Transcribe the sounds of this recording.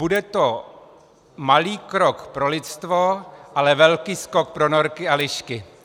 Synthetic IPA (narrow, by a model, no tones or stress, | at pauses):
budɛt̪o | maliːkɾokpɾo̞lɪt̪st̪voʔalɛvɛlkiːskok̚pɾonoɾkɪalɪʃkɪ